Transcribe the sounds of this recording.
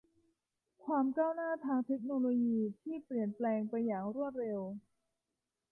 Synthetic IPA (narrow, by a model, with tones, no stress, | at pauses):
kʰwaː˧mkaː˥˩wnaː˥˩t̪ʰaː˧ŋt̪ʰe˦˥k̚noː˧loː˧jiː˧t̪ʰiː˥˩pli˨˩ənplɛː˧ŋpa˧jːaː˨˩ŋɾu˥˩ət̪̚ɾe˧w